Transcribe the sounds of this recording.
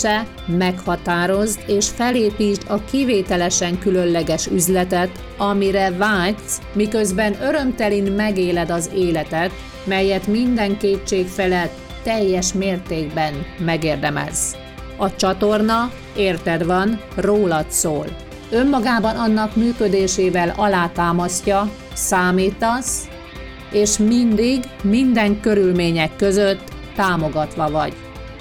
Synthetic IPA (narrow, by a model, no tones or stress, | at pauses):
ɛ | mɛkhɒt̪aːɾo̞zt̪eːʃfɛleːpiːt̪ɒkiveːt̪ɛlɛʃɛŋkylø̞nlɛɡɛʃyzlɛt̪ɛt̪ | ɒmiɾɛvaːs | mikøzbɛnø̞ɾø̞mt̪ɛlinmɛɡeːlɛd̪ɒzeːlɛt̪ɛt̪ | mɛjːɛt̪mind̪ɛŋkeːt͡ʃːeːkfɛlɛt̪ːɛjːɛʃmeːrt̪eːɡbɛnmɛɡeːrd̪ɛmɛ̰z | ɒt͡ʃɒt̪o̞rnɒ | eːrt̪ɛd̪ʋɒn | roːlɒt̪soːl | ø̞mːɒɡaːbɒnɒnːɒkmyːkø̞d̪eːʃeːvɛlɒlaːt̪aːmɒscɒ | saːmiːt̪ɒs | eːʃmind̪iɡ | mind̪ɛŋkø̞ɾylmeːɲɛkːø̞zøt̪ː | aːmo̞ɡɒt̪ʋɒvɒ̰ɟ